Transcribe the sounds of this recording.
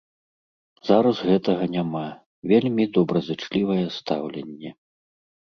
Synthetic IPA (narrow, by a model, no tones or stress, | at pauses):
z̥aɾɐzɣɛt̪ɐɣɐnʲama | vʲelʲmʲid̪ɔbɾɐzɨt͡ʂlʲivɐjɛst̪awlʲɛnʲːɛ